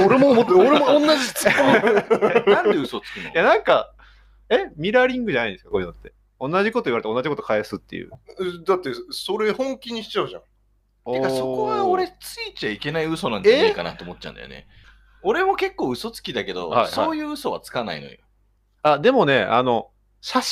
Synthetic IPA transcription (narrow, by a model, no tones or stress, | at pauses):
oɾemoot̪ːoɾemoõnːaʑi̥t͡son | ãnd̪eɯso̞t͡sɨ̥kʲinojanãŋka | e̞mʲiɾaɾʲĩŋɡɯ̟ʑanaĩnesɨkḁkoɲinot̪ːe̞ | õ̞nːaʑikot̪o̞iβaɾeo̞nːad͡ʑʑiko̞t̪o̥kʰaesɨt̪ːe̞jɯ̰ːd̪at̪ːeso̞ɾe̞hõ̞ŋkʲiɲ̟ːiɕi̥t͡ɕaɯ̟ʑã̰ | ekaso̞ko̞ɡao̞ɾe̞t͡sɨit͡ɕaike̞naiɯ̟so̞nãɲd͡ʑaaikana̰t̪oːmo̞tːt͡ɕã̰nd̪̰jo̰ne̞̰ | o̞ɾe̞mo̞ke̞kːo̞ːɯ̟so̞t͡sɨ̥kʲid̪ake̞d̪o̞̰hasoaːjɯ̟ːɯ̟so̞βa̰t͡sɨ̥kana̰ḭno̰jo | ad̪e̞mo̞ne̞a̰no̞ | sa